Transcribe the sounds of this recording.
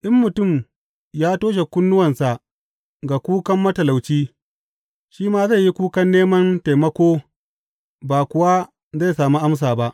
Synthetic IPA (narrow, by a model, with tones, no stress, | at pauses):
ʔɪ˦mːʊ˨tʊ˦˨m | jaː˦toː˦ʃ̬e˨kʷʊ˦nːʊ˦wɐ˨nsa˨ʔ | ɡa˨kʷuː˦kɐ˦mːɐ˦tɐ˨la˨wt͡ʃiː˦ | ʃiː˦maː˦za˦˨jːi˦kuː˦kɐ˦nːeː˦mɐ˦nta˨jmɐ˦kʷoː˦ | baː˨kʷʊ˨wa˦ | za˦˨jsaː˨mu˦ʔa˦ms̬aː˨ba˦ʔ